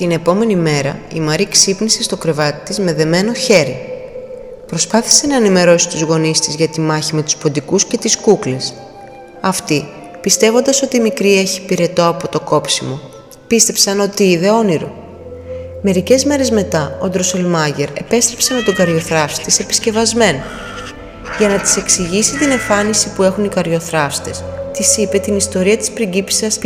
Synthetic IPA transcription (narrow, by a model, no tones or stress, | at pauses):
t̪ine̞po̞me̞nime̞ɾɐḭmɐɾiksipnise̞st̪o̞kɾe̞vɐt̪i̥t̪izme̞ðe̞me̞no̞çe̞ɾḭ | pɾo̞spɐθi̥se̞nɐenime̞ɾo̞si̥t̪uzɣo̞nist̪izʝɐt̪imɐçime̞t̪u̥spo̞nd̪ikusce̞t̪iskukles | ɐft̪i | pist̪e̞vo̞nd̪ɐso̞t̪iːmikɾie̞çipiɾe̞t̪o̞ɐpo̞t̪o̞ko̞psimo̞ | pist̪e̞psɐno̞t̪iiðe̞o̞niɾo̞̰ | me̞ɾice̞zme̞ɾe̞zme̞t̪ɐond̪ɾosolmɐʝe̞ɾe̞pe̞st̪ɾe̞psɐnot̪oɡɐɾʝo̞θɾɐfst̪ise̞pi̥sce̞vɐzme̞no | ʝɐnɐt̪i̥se̞ksiʝisit̪ine̞ɱfɐnisipue̞xunikɐɾʝo̞θɾɐfst̪e̞st̪isipe̞t̪inist̪o̞ɾiɐt̪i̥spɾiɟipi̥sɐs